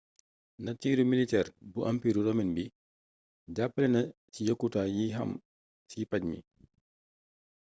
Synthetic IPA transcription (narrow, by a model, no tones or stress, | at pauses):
nɐtiːɾumilitɛːɾbuʔɐmpiːɾuɾɔminbi | ɟapːəlɛnɐ | cijɐkːutaːjiɦɐ̰m | sipaɟmḭ